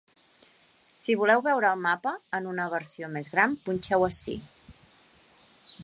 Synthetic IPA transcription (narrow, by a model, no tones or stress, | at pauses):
siβ̞ulɛwβɛwɾəːlˠmapəːnunəβəɾsiomezɣɾampunʲt͡ʃɛwəsḭ